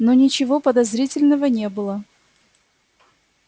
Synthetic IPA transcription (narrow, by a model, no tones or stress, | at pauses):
nonʲɪt͡ɕɪvopəd̪ɐzɾʲitʲɪlʲnəvənʲe̞bɨlˠə